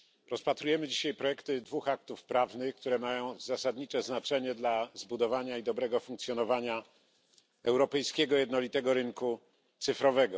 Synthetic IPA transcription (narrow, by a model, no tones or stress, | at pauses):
ɾɔspat̪ɾujɛmɘd͡ʑiɕajpɾɔjɛkt̪ɘd̪vuxak̚t̪ufpɾavnɘxkt̪uɾɛmajɔ̃w̃zasad̪ɲit͡ʂɛznat͡ʂɛɲɛd̪lazbud̪ɔvaɲaid̪ɔbɾɛɡɔfuŋk̚t̪sʲjɔnɔvaɲa | ɛwɾɔpɛjskʲɛɡɔjɛd̪nɔlʲit̪ɛɡɔɾɘŋku | t̪sɘfɾɔvɛɡɔ